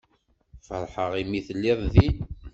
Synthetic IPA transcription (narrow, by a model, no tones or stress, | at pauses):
fəɾˤħəʁimiθəlːiðˤði